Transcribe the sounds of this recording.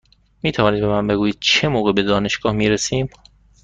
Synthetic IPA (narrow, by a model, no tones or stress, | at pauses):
miːt̪ʰævɒːnid̪be̞mænbe̞ɡuːjiːd̪̥̚t͡ʃʰe̞moːɣebe̞d̪ɒːne̞ʃɡ̥ɒːhmiːɾesiːm